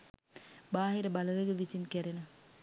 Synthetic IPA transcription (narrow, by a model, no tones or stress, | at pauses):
baːɦiɾɐbɐlɐʋeɡəʋisinkeɾenu